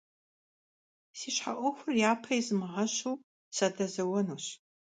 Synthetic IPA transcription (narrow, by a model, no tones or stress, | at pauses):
siːɕħa̰ʔʷɔxʷʊrjaːpʰɐjzɨmɨʁɐɕuw | sadɐzɐwɐnuːɕ